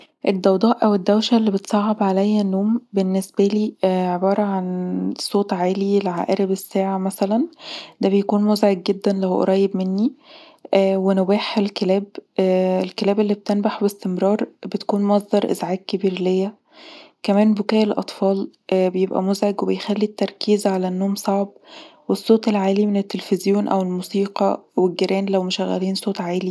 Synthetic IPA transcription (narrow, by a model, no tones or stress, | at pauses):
ʔed̪ːɑwd̪ˤɑːʔʔæwed̪ːæwʃælːibet̪sˤɑʕʕːebʕalæjːænːoːmbenːesbæliːʕebɑːɾˤɑʕansˤoːt̪ˤʕaːlilʕa̰ʔæɾibesːæːʕamæsælænd̪æbejækuːnmozʕeɡ̚ɡed̪ːænlæwʔɑ̰ɾˤɑːjːebmenːi | ʔːwenobæːħelkelæːb | elkelæːbelːib̚t̪enbaħbest̪emɾɑːɾˤbet̪ækuːnmɑsˤd̪ɑɾˤʔḛzʕaːɡ̚kebiːɾlejːæ | kæmæːnbokæːʔelʔɑ̰t̪ˤfɑːl | ʔbejebʔæ̰mozʕeɡwebejxælːit̪ːɑɾˤkiːzʕalænːoːmsˤɑʕbwesˤːoːt̪ˤelʕaːlimenet̪ːelfezjoːnʔæwelmuːsiːqɑ̰weɡeɾæːnlæwmeʃæɣːæ̰liːnsˤoːt̪ˤʕaːli